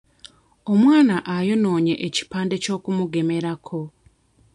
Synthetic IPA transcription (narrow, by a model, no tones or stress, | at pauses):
o̞mwaːnaʔajono̞ːɲe̞ʔeci̥paːnde̞co̞ːkumuɡe̞me̞ɾakʰo̞